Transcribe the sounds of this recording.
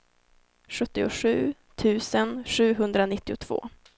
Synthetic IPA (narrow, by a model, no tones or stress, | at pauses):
ɧɵt̪ːɪʊ̰ʂʉ̟ːt̪ʰʉ̟ːsənɧʉ̟ːɦɵnd̪ɾanɪt̪ːɪʊt̪ʰv̥o̰ː